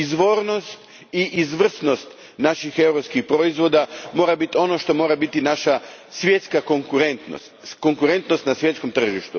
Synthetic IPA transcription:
izʋo̞ɾno̞st̪ | iʔizʋr̩sno̞st̪ | naʃixe̞wɾopskixpɾoizʋo̞d̪amo̞ːɾabit̪io̞no̞ʃt̪o̞mo̞ːɾabit̪inaʃasje̞t̪skakoŋkuɾent̪nost̪ko̞ŋkuɾe̞nt̪no̞st̪nasʋje̞t̪sko̞mt̪r̩ʒiʃt̪u

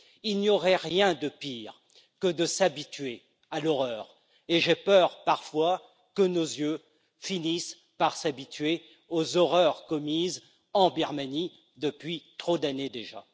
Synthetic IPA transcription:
ilnjɔʁɛʁjɛ̃d̪əpiʁ | kəd̪əsabit̪ɥe | alɔʁœːʁ | eʒepœʁpaʁfwa | kənozjø | finis | paʁsabit̪ɥe | ozɔʁœʁkɔmiz | ɑ̃biʁmani | d̪əpɥit̪χod̪aned̪eʒa̰

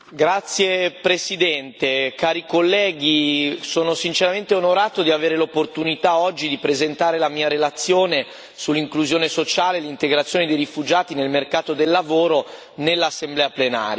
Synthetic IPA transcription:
ɡɾat̪sːjepɾesid̪ɛnt̪ekaːɾikolːɛːɡisoːnosint͡ʃeɾament̪eonoɾaːt̪od̪iaveːɾelopːort̪unit̪aɔd͡ʒːid̪ipɾezent̪aːɾelamiːaɾelat̪sːjoːne | sulːiŋkluzjoːnesot͡ʃaːlelint̪eɡɾat̪sːjoːned̪ejrifud͡ʒaːt̪inelmerkaːt̪od̪elːavoːɾo | nelːasːemblɛːaplena̰ːɾja

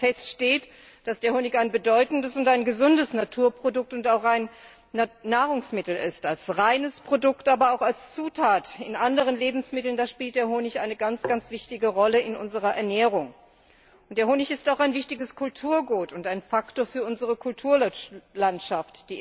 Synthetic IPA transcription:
fɛstʃteːt | d̥asd̥eːɐhoːnɪçaɪnbədɔʏtn̩dəsʊntaɪnɡəzʊndəsnatʰuːɐpʁ̥odʊk̚tʊntaʊxaɪnː | aːʁʊŋsmɪtl̩ɪ̰stalsʁaɪnəspʁ̥odʊktʔaːbɐaʊxalst͡suːtʰaːtɪnʔandəʁ̞ənleːbm̩smɪtl̩ndaːʃpiːltd̥eːɐhoːnɪçʔaɪnəɡant͡sɡ̥ant͡sv̥ɪçtɪɡəʁɔləɪnʔʊ̰nzəʁ̞ɐʔɛ̰ɐnɛːʁ̞ʊŋ | ʔʊntd̥eːɐhoːnɪçɪstaʊxaɪnvɪçtɪɡəskʰʊltʰuːɐɡuːtʊntaɪnfaktoːɐfyːɐʔʊnzəʁəkʰʊltʰuːɐlantʃaftd̥iː

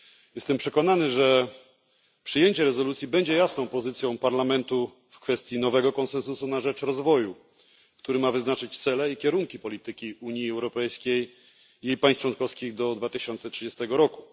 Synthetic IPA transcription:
jɛst̪ɛmpʂɛkɔn̪anɘʐɛ | pʂɘjeɲt͡ɕɛɾɛzɔlut̪sʲjibɛɲd͡ʑɛjasnɔ̃w̃pɔzɘt̪sʲjɔ̃w̃paɾlamɛnt̪u | fkfɛst̪ʲjinɔvɛɡɔkɔnsɛnsusunaʐɛt͡ʂɾɔzvɔju | kt̪uɾɘmavɘznat͡ʂɘt͡ɕt̪sɛlɛikʲɛɾuŋkʲipɔlʲit̪ɘkʲiuɲjiɛwɾɔpɛjskʲej | jejpaj̃s̚t͡ʂwɔnkɔfskʲiɣd̪ɔd̪vat̪ɘɕɔnt̪sɛtʂɘd͡ʑest̪ɛɡɔɾɔku̥

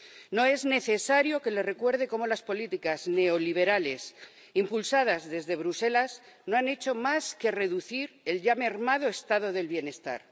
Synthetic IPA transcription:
no̞e̞zne̞θe̞saɾjo̞ke̞le̞re̞kwe̞ɾð̞e̞ko̞mo̞laspo̞lit̪ikazne̞oliβ̞e̞ɾale̞s | impulsað̞azðe̞zðe̞β̞ɾuse̞laz | no̞ane̞t͡ʃo̞maske̞re̞ðuθiɾe̞lʎame̞ɾmað̞o̞est̪aðo̞ðe̞lβje̞ne̞st̪a̰ɾ

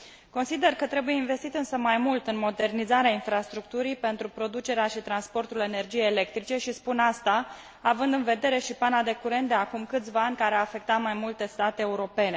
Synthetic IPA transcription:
ko̞nsid̪e̞rkət̪ɾe̞buje̞inve̞st̪it̪ɨnsəmajmult̪ɨnmo̞d̪e̞rnizaɾeainfɾast̪ɾukt̪uɾipe̞nt̪ɾupɾo̞d̪ut͡ʃe̞ɾeaʃit̪ɾanspo̞rt̪ule̞ne̞rd͡ʒijejele̞k̚t̪ɾit͡ʃe̞ʃispunast̪aː | vɨnd̪ɨnve̞d̪e̞ɾe̞ʃipanad̪e̞kuɾe̞nt̪d̪e̞akumkɨt̪sʲvaanʲkaɾeaːfe̞k̚t̪at̪majmult̪e̞st̪at̪e̞ːuɾo̞pe̞ne̞

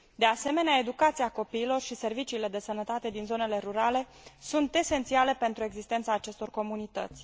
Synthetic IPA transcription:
d̪e̞ase̞me̞neae̞d̪ukat̪siako̞piːlo̞rʃise̞rvit͡ʃiːle̞d̪e̞sənət̪at̪e̞d̪inzo̞ne̞le̞ɾuɾale̞ | sunt̪e̞se̞nt̪siale̞pe̞nt̪ɾue̞ɡzist̪e̞nt̪saːt͡ʃe̞st̪o̞rko̞munit̪ə̰t̪sʲ

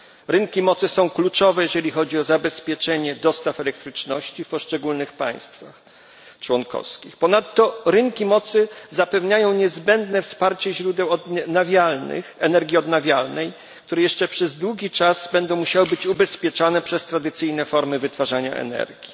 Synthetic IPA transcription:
ɾɘŋkʲimɔt̪sɘsɔ̃w̃klut͡ʂɔvɛjɛʐɛlʲixɔd͡ʑiɔzabɛspʲjɛt͡ʂɛɲɛd̪ɔst̪afɛlɛk̚t̪ɾɘt͡ʂnɔɕt͡ɕifpɔʂt͡ʂɛɡulnɘxpa̰j̃st̪fa̰x | t͡ʂwɔnkɔ̰fskʲixpɔnat̪ːɔɾɘŋkʲimɔt̪sɘzapɛvɲajɔ̃w̃ɲɛzbɛnd̪nɛfspaɾt͡ɕɛʑɾud̪ɛwɔd̪navʲjalnɘ̰xɛnɛɾɡʲiɔd̪navʲjalnɛj | k̚t̪uɾɛjɛʂt͡ʂɛpʂɛzd̪wuɡʲit͡ʂaz̥bɛnd̪ɔ̃w̃muɕawɘbɘt͡ɕubɛspʲjɛt͡ʂanɛpʂɛst̪ɾad̪ɘt̪sɘjnɛfɔɾmɘvɘt̪faʐaɲa̰ʔɛ̰nɛ̰ɾɡʲi

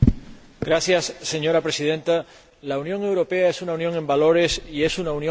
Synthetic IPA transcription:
ɡɾaθjasːe̞ɲo̞ɾapɾe̞sið̞e̞nt̪a | launjoŋe̞wɾo̞peaesunaunjõ̞ŋe̞mbalo̞ɾe̞sie̞sunaunjõ

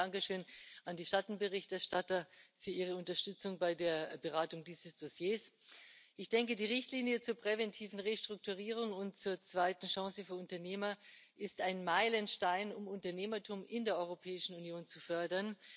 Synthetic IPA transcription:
aŋkəʃøːnʔandiːʃatn̩bəʁɪçtɛɐʃtatɐfyːɐʔiːʁ̞əʊntɐʃtʏt͡sʊŋbaɪdeːɐbəʁaːtʊŋdiːzəsd̥osjeːsʔɪçd̥ɛŋkədiːʁ̞ɪçtliːnjət͡suːɐpʁ̥ɛvɛntʰiːvn̩ʁeːʃtʁ̥ʊk̚tuʁ̞iːʁ̞ʊŋʊnt̚t͡suːɐt͡sv̥aɪtn̩ʃãŋsəfyːɐʊntɐneːmɐʔɪstaɪnmaɪlənʃtaɪnʊmʊntɐneːmɐtʰuːmɪndeːɐʔɔʏʁopʰɛːɪʃn̩unjoːnt͡sufœɐdɐn

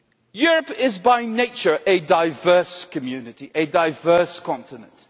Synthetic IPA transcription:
jʊɹəpɪzbaɪneɪt͡ʃəɹʔɨdaɪvɜːˑskʰəmjʉnɪtiʔɨdaɪvɜˑ˞skʰɑ̃ntɪnə̃nt

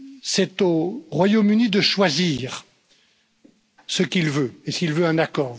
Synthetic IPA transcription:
sɛt̪oʁwajomynid̪əʃwaziːʁ | səkʲilvøesilvøɛ̃nakɔːʁ

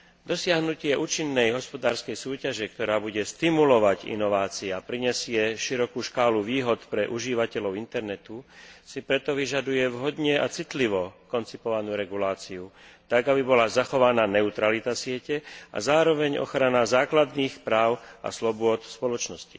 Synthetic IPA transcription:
d̪ɔsɪaɦnucɪɛʔuːt͡ʃinːɛjɦɔspɔd̪aːɾskɛjsuːcaʒɛkt̪ɔɾaːbuɟɛst̪imulɔʋaɟḭnɔʋaːt͡siɛapɾiɲɛsɪɛʃiɾɔkuːʃkaːluʋiːɦɔt̪pɾɛʔuʒiːʋacɛʎɔʊint̪ɛɾnɛt̪usipɾɛt̪ɔʋiʒad̪ujɛʋɦɔd̪ɲɛat͡sit̪liʋɔkɔnt͡sipɔʋanuːɾɛɡulaːt͡siut̪aɡabibɔlazaxɔʋanaːnɛut̪ɾalit̪asɪɛcɛa̰zaːɾɔʋɛɲɔ̰xɾanazaːklad̪niːxpɾaːʊa̰slɔbʊɔt̪fspɔlɔt͡ʃnɔsci̥

